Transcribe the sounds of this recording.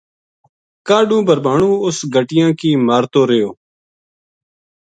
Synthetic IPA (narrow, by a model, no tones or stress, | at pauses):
kaːɖũːbʱəɾbaːɳũːʊsɡʱəʈɪjãːkiːmaːɾt̪oːɾəjoː